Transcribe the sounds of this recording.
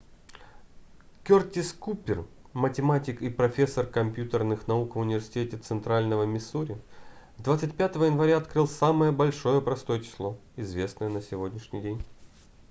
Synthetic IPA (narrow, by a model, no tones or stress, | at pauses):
kʲortʲɪskupʲɪr | mətʲɪmatʲɪkipɾɐfʲe̞sːərkɐmʲpʲjut̪ərnɨxnɐukvʊnʲɪvʲɪrsʲɪ̥tʲetʲɪt̪sɨnt̪ɾalʲnəvəmʲɪsuɾʲɪ | d̪vat̪sɨtʲpʲat̪əvəjɪnvɐɾʲaɐt̪kɾɨlˠsaməjəbɐlʲʂo̞jəpɾɐst̪o̞jət͡ɕɪ̥slˠoɪzvʲe̞snəjənəsʲɪvo̞dʲnʲɪʂnʲɪjdʲenʲ